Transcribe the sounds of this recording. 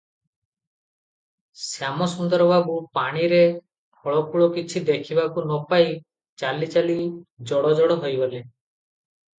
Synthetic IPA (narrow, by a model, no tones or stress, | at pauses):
sjamɔsɔnd̪ɔɾbʱabupaɽ̃iɾe | pʰɔɭɔkuɭɔkit͡ʃʰid̪ekʰibakunɔpaj | t͡ʃalit͡ʃalid͡ʒɔɽɔd͡ʒɔɽɔɦojbɔle